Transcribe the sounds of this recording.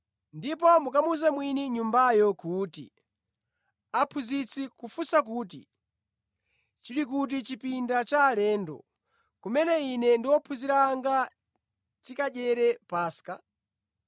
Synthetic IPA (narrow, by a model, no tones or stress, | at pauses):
ndip̬ɔmukamuzamwiniɲumbajɔkuːtḭ | apʰuzit͡sʰikufusak̬uːtḭ | t͡ʃilik̬ut̬it͡ʃipindat͡ʃaːlɛːndɔ̰ | kumɛnɛinɛndiwɔpʰuziɾaŋɡa | tikaʄɛɾɛpaːska